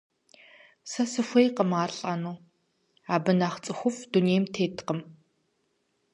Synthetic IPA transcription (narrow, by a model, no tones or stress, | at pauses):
sɐsɨxʷejqəmaːrɬʼanuː | aːbɨnaːχt͡sʼɨxʷʊfduneːjmtʰeːtqəm